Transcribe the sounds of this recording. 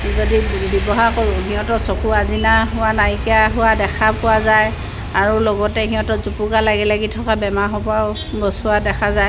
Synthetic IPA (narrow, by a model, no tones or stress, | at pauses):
zodibɔbɔɦakoɹʊ̃ɦiɦɔ̃tɔsokuazinaɦʊwanajkiaɦʊwadɛkʰapʊwazaj | aɹulɔɡɔtɛɦĩɦɔ̃tɔzupukalaɡɛlɛɡitʰɔkabɛmaɦɔbaʊ | bɔsʊadɛkʰazaj